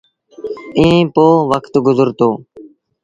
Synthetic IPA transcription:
ĩːpoːʋəkʰt̪ɡʊzəɾt̪oː

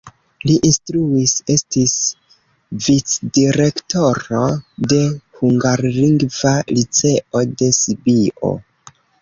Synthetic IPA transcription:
liʔinstɾuise̞stis | vit͡sdiɾe̞kto̞ɾo̞de̞huŋɡaɾliŋɡvalit͡se̞ʔo̞de̞sibio̞̰

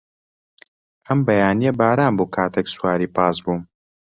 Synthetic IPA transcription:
ʔɐmbɐjaːnijɐbaːɾaːnboːkʰaːt̪ʰɛkswaːɾiːpɑːsbuːm

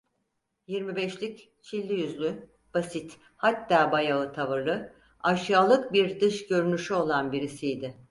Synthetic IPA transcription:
jiɾmibɛʃlʲic | t͡ʃʰilʲːijyzlʲy | b̥asit̪ | hat̪ːaːbajaɯt̪ʰavɯɾlˠɯ | aʃjaːlˠɯk̚biɾd̪ɯʃɟø̞ɾynyʃyo̞lˠanbiɾisijd̪ɪ

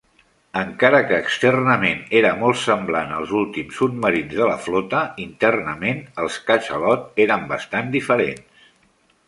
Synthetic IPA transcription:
əŋkaɾəkəːkst̪ɛrnəmeneɾəmɔlˠtsəmblanə̰lˠzulˠt̪imsut̪məɾinzðələflɔt̪əint̪ɛrnəmenəlˠskat͡ʃəlɔt̪eɾəmbəst̪and̪ifəɾḛns

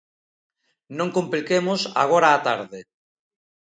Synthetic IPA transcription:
nõŋkomplikemosa̰ɣ̞oɾaːt̪aɾðe

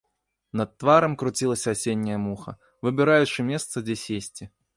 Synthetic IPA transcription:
nɐt̪ːvaɾɐmkɾut͡sʲilˠɐsʲɐːsʲenʲːɐjɐmuxɐ̰ | vɨbʲɪɾajut͡ʂɨmʲɛst̪sɐd͡zʲesʲesʲt͡sʲi

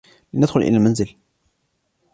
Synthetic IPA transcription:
linad̪xʊlʔɪ̰lælmænzɪl

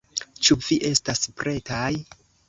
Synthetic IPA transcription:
t͡ʃuviʔe̞staspɾʔe̞taj

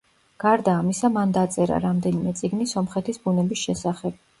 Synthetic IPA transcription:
ɡ̥aɾd̪aːmisamand̪at̪sʼɛɾa̰ɾamd̪ɛnimɛt̪sʼiɡnisɔmχɛt̪ʰisbunɛbisʃɛsaχɛb̥̚

